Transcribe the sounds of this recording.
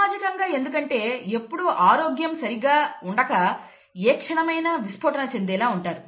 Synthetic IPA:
aːd͡ʒikɐŋɡaːe̞nd̪ukɐɳʈe̞ːe̞pːuɽuʔaːɾoːɡjɐmsɐɾiɡaːuɳɖɐkɐ | eːkʂɐɳɐmɐjnɐʋispʰoːʈɐnɐt͡ʃe̞nd̪ɛːlaːuɳʈaːɾu

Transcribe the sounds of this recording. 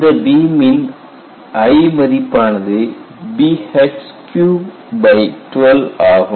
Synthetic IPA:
d̪ɐbiːmin | ɐjmɐðipːaːɳɐðɨ | bihes | kju | bɐjtʋelaːɣum

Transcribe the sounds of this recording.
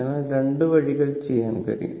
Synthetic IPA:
ɐnaːɾeɳɖɯʋɐɻiɣɐɭt͡ɕɛjːaːnkɐ̰ɾḭjṵ

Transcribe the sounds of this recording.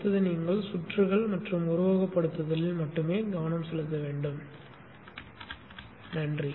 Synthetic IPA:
t̪ːɐðɯniːŋɡɐɭsʊʈrɯɣɐɭmɐʈrɯmʊɾʊʋaːɣɐpːɐɽɯt̪ːɐðɐlɪlmɐʈːɯmeːɡɐʋɐnɐmsɛlːɯt̪ːɐʋeːɳɖɯm | nɐndri

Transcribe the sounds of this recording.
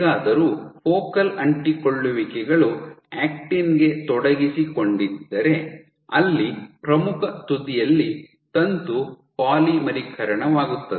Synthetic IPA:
ɡaːd̪ɐɾuːpoːkɐlɐɳʈikoɭːuʋikɛɡɐɭuaːk̚ʈinɡe̞t̪ɔɽɐɡisikoɳɖid̪ːɐɾe̞ | ɐ̰lːipɾɐmukʰɐt̪ud̪ijɐlːi | t̪ɐnt̪u | paːlimɐɾikʰɐɾɐɳɐʋaːɡut̪ːɐd̪e

